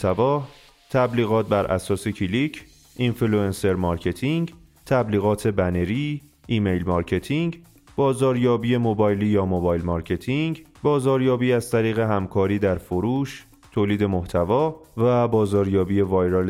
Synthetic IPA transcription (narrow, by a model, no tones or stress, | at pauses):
t̪ʰævɒː | t̪ʰæbliːɣɒːt̪̚bæɾʔæ̰sɒːse̞cʰilicʰ | ʔinfeluense̞ɾmɒɾcʰe̞t̪ʰiŋɟ | t̪ʰæbliːɣɒːt̪ʰe̞bæne̞ɾiː | ʔiːmejlmɒɾcʰe̞t̪ʰiŋɟ | bɒːzɒːɾjɒːbiːje̞mobɒːjliːjɒːmobɒjlmɒɾcʰe̞t̪ʰiŋɟbɒːzɒːɾjɒːbiːæzt̪ʰæɾiːɣe̞ɦæmkʰɒːɾiːd̪æɾfoɾuːʃ | t̪ʰoːliːd̪e̞mo̞ht̪ʰævɒːvæbɒːzɒːɾjɒːbiːje̞vɒːjɾel